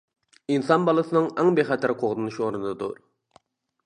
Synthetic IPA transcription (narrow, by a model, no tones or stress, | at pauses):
insɑnbɑlˠɨsɨnɨŋæŋbeχɛt̪ʰæɾqʰoʁd̪ɨnuʃoɾɨnd̪ɑd̪ṵɾ